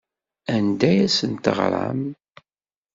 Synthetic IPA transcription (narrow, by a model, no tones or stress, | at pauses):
ænd̪æjæsənt̪ə̰ʁɾˤa̰m